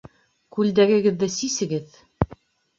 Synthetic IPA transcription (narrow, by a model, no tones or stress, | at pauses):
kʉld̪æɡɘ̆ɡɘ̆ðːɘsisɘ̆ɡɘð